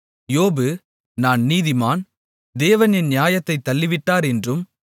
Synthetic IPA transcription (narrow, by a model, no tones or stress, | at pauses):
joːbɯ | naːnniːðɪmaːn | d̪eːʋɐnɪnnjaːjɐt̪ːɐɪt̪ːɐlːɪʋɪʈːaːɾɛndrɯm